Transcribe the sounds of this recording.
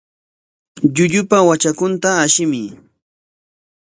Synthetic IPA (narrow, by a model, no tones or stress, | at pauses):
ʎʊʎʊpawat͡ʃakʊnt̪aːʃɪmɪ